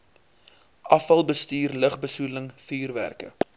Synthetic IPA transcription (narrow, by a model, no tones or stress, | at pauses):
ʔɐfɐlˠbəstyːrləχbəsuləŋfiːrvæ̰rkə̰